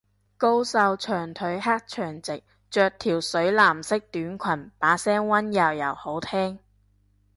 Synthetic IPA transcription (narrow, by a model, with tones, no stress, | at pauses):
ko˧wsɐ˧wt͡ʃʰœː˨˩ŋt̪ʰɵ˨˥ɥɦaː˥k̚t͡ʃʰœː˨˩ŋt͡sɪ˨k̚ | t͡ʃœː˨˧k̚t̪ʰiː˨˩wsɵ˨˥ɥlaː˨˩msɪ˥k̚t̪yː˨˥nkʷʰɐ˨˩npaː˨˥sɛː˥ŋwɐ˥njɐ˨˩wjɐ˨˩who˨˥wt̪ʰɛː˥ŋ